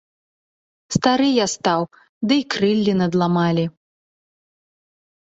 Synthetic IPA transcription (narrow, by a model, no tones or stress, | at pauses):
st̪aɾɨjast̪aw | d̪ɨikɾɨlʲːinɐd̪lˠamalʲi